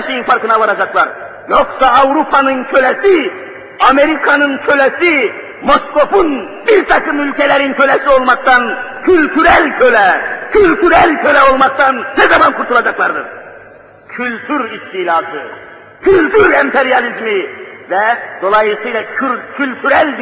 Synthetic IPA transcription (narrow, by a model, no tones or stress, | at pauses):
ʃejinfaɾkɯnaβaɾad͡ʒaklˠaɾ | jo̞ksaːvɾupʰanɯncʰø̞lɛsi | ame̞ɾikʰanɯncʰø̞lɛsi | mo̞sko̞fun | biɾt̪ʰakɯmylʲcʰɛlʲæɾincʰø̞lɛsio̞lˠmak̚t̪ʰancʰylʲt̪ʰyɾælʲcʰølɛcʰylʲt̪ʰyɾælʲcʰø̞lʲɛo̞lˠmak̚t̪annɛzamankʰuɾt̪ʰulˠad͡ʒaklˠaɾd̪ɯ̰ɾ | cʰylʲt̪ʰyɾist̪iːlʲaːsɯ | cʰylʲt̪ʰyɾɛmpʰeɾjalʲizmivɛd̪̥o̞lˠajɯsɯjlˠaycʰylʲt̪ʰyɾælʲd̪